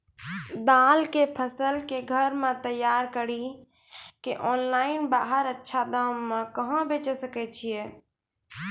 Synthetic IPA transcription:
d̪alkepʰəsəlkeɡʱəɾmet̪əjːaɾkəɽi | keʔɔnlainbaɦəɾətːʃʰad̪əmːẽkəɦə̃bet͡ʃsəkɛt͡ʃʰije

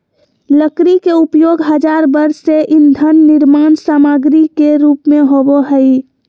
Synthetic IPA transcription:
ləkɾikeupjoɡɦəd͡ʒaɾbəɾsːeʔind̪ʱənːiɾmansamaɡɾikeɾupmeɦoboɦəɪ

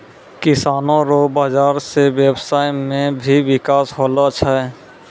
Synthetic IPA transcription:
kɪsaːnõɾobaːd͡ʒaːɾsewebsaːjmẽbʱiwɪkaːsɦolat͡ʃʰɛ

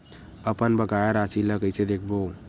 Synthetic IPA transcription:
əpənbəɡajeɾasiləɡəjt͡ʃɛd̪ekʰbo

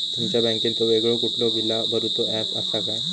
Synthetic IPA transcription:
t̪umt͡ɕjabɛ̃ŋkint̪oeɡɭokuploɡilːabəɾut̪ɔæpasakaj

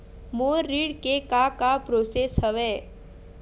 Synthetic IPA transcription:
moːɾːiɽkekakapɾoːsesɦəʋeː

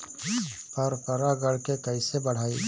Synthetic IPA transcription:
pəɾpəɾaɡəɽkekəɪsebəɽ̤aːi

